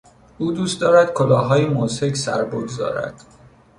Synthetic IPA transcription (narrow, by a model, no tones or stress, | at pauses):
uːd̪uːst̪d̪ɒːɾæd̪̥kʰolɒːɦɒːjemose̞cʰsæ̰ɾboɡzɒ̰ːɾæ̰d̪̥